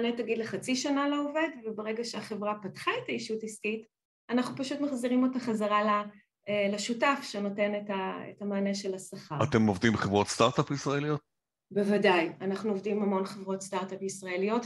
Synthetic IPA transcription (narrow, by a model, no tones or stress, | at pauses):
netaɡidle̞χat͡siʃanaloove̞dvebeʁeɡaʃeaχevʁapatχae̞taiʃutiskit | anaχnupaʃutmaχziʁimo̞taχazaʁala | laʃutafʃeno̞te̞netaḛtamaːneʃe̞lasaχaʁa̰t̪emovdimbχevʁo̞tstaʁtapisʁaelijot̚ | bevadajanaχnuovdimhamo̞nχevʁo̞tstaʁtapisʁaelijo̞t